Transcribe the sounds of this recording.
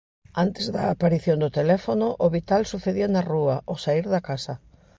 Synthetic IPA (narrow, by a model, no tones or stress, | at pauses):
ant̪ezðaːpaɾiθjond̪ʊt̪elɛfonʊʔoβit̪alsuθeðianaruɐʔosaiɾðɐkasɐ